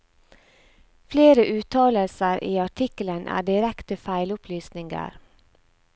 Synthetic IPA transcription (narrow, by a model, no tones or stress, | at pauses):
fleːɾəʔʉːt̪ʰɑːləlsəɾʔiːɑʈʰɪkələnʔæ̰ːɖɪɾɛkt̪əfæɪlʊpʰlyːsnɪŋɡə̰ɾ